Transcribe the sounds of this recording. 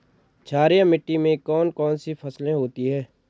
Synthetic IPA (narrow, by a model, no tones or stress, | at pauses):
t͡ʃʰaːɾijãmɪʈːimẽkɔːnkɔːnsifʰɐslẽɦoːt̪iɦɛː